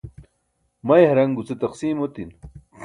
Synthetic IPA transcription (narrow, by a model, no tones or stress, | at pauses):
mɐjɦɐɾɐŋɡut͡set̪ɐqsiːmot̪in